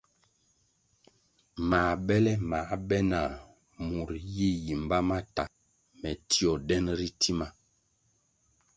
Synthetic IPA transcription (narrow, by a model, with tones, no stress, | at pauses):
ma˨bɛ˦lɛ˦ma˨˦bɛ˦na˨ | mu˨ɾji˦˨ji˨m˨ba˦ma˦ta˨ | mɛ˨tʰi˦ɔ˨dɛ˦nɾi˦ti˦ma˨